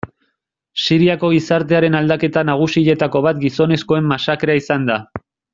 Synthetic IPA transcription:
siɾiako̞ɣ̞isaɾt̪e̞aɾe̞nald̪ake̞t̪anaɣ̞usiʎe̞t̪ako̞β̞at̪ɡiso̞ne̞sko̞e̞mːasakeɾaisand̪a

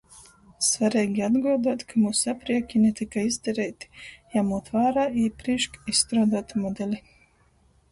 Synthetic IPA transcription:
svaɾɛːɡʲiad̪ɡuɔd̪aːt̪kʰamuːsapɾiɛkʲinʲɛt̪ikaizd̪ɛɾɛjt̪i̥jamuːt̪vaːɾaːiːpɾiʃkisːt̪ɾaːd̪aːt̪mɔd̪ɛlʲi

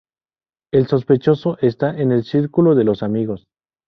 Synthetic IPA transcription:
e̞lso̞spe̞t͡ʃo̞so̞ʔe̞st̪aʔene̞lsiɾkuloðe̞lo̞samiɣo̞s

